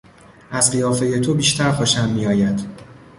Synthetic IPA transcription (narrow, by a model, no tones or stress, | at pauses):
ʔæzɢijɒːfe̞je̞t̪ʰobiːʃt̪ʰæɾxoʃæmːiːjɒːjæd̪̥